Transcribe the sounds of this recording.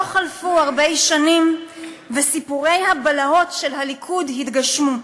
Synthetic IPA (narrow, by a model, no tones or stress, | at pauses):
oχalfuaʁbejʃanim | vesipuʁe̞jhabalao̞tʃe̞lhalikʰudhitɡaʃmu